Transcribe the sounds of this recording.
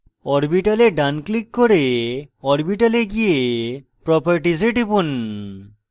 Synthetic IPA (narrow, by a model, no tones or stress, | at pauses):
ɔɾbiʈaleɖanklikːoɾeɔɾbiʈaleɡijepɾɔpaɾʈizeʈipun